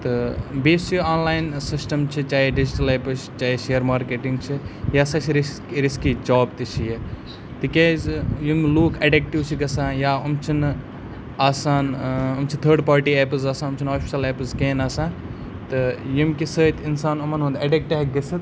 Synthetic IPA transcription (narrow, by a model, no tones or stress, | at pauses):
t̪ɨbeːsiaːnlaːjnsɪsʈɐmt͡ʃʰit͡ʃaːeɖid͡ʒiʈɐleːpɨst͡ʃaːeʃeːəɾmaːɾkeːʈĩŋɡt͡ʃʰijaːsãːt͡ʃʰiɾiskɾiskid͡ʒaːbt̪it͡ʃʰije | t̪ikeːzjumluːkʰɐɖek̚ʈiwt͡ʃʰiɡɐsãːjaːɐmt͡ʃʰin | aːsaːnɐmt͡ʃʰit̪ʰəːɖpaːɾʈieːpɨzaːsãːɐmt͡ʃʰinaːpʰi̥ʃɐleːpɨzkẽːnaːsãː | t̪ɨjumkisəːt̪ʰinsaːnɐmɐnɦũːnd̪ɐɖek̚ʈiɦɐk̚ɡɐsɐt̪